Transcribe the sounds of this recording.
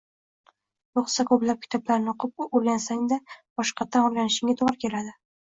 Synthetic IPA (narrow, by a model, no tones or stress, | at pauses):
ɾoχsakʰɵblap̚kʰʲɪ̥t̪ʰɒblaɾnɪoqʰɨp̚oɾɡʲansaŋd̪ab̥ɒʃqɑt̪ʰːanɒjlanɪʃɪŋʲat̪ʰoʁɾkʲʰe̞lad̪ɪ